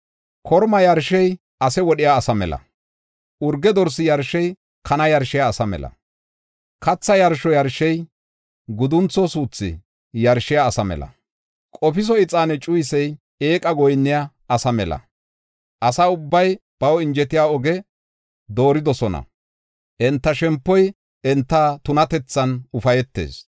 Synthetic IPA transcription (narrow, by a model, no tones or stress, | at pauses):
kʰɔɾmɐjɐɾʃɛj | ɐsɛwɔɗɪjaːsɐmɛ̰lɐ̰ | ʊɾɡɛd̪ɔɾsɪjɐɾʃɛj | kʰɐnɐjɐɾʃɪjaːsɐmɛ̰lɐ̰ | kɐt͡sːɐjɐɾʃɔjɐɾʃɛj | ɡʊd̪ʊnt͡sːɔsuːt͡sːɪ̰ | jɐɾʃɪjaːsɐmɛ̰lɐ̰ | kʼɔpɪs̬ɔɪt͡sʼːaːnɛt͡ʃʼʊjsɛj | eːkʼɐɡɔjnːɪja | ɐsɐmɛlɐ̰ | ʔɐsaʊbːɐjb̥ɐwɔɪnd͡ʒɛt̪ɪjaːɔɡɛ | d̪o̞ːɾɪd̪ɔsɔnɐ̰ | ʔɛnt̪ːɐʃɛmpːɔj | ɛnt̪ːat̪ʊnɐt̪ɛt͡sːɐnʊfɐjɛt̪ːḛːs